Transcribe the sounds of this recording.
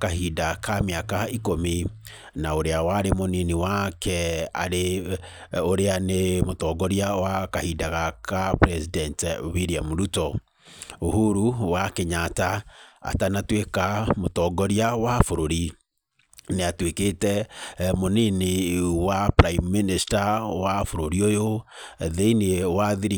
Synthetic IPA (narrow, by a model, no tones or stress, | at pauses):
kahidakameakaikomi | naoɾeawaɾemoniniwakʰɛa̰ɾe | oɾeanemotɔɡɔɾiawakahiːdaɣakapɾɛsidɛntwiɾiamuɾutɔ | ohuɾuwakeɲataa̰tanatwekamotɔɡɔɾiawafoɾoɾi | neatweketɛmoninewapɾaimːinistawafoɾoɾiojoðeinewaðiɾi